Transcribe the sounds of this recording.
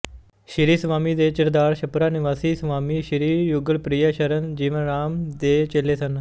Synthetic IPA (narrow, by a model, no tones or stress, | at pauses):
ʃɪɾiːsəʋaːmiːd̪eːt͡ʃəɾd̪aːɾʃəpɾaːnɪʋaːsiːsəʋaːmiːʃɪɾiːjʊɡəlpɾijaːʃəɾənd͡ʒiːʋənɾaːmd̪eːt͡ʃeːleːsən